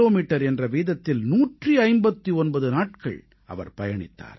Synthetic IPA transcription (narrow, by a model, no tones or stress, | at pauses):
oːmiːʈːɐɾɛndrɐʋiːðɐt̪ːɪlnuːʈriɐɪmbɐt̪ːiɔnbɐðɯnaːʈkɐ̰ɭ | ɐ̰ʋɐ̰ɾpɐjɐɳɪ̰t̪ːa̰ːɾ